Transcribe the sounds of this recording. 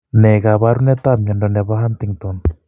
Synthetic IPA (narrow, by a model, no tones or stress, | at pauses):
nɛɣaβaɾunɛt̪amiandonɛβaɦant̪iŋt̪on